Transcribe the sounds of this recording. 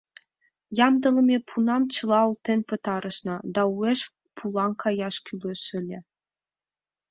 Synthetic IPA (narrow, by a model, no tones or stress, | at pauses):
jɑmd̪ɤ̆lˠɤ̆mʲepʰunɑmt͡ɕʰɤ̆lˠɑulˠt̪ĕnʲpɤ̆t̪ɑɾʔɤ̆ʃnɑd̪ɑueʃ | pʰulˠɑŋkʰɑjɑʃkʲylʲĕʃɘ̆lʲɘ̆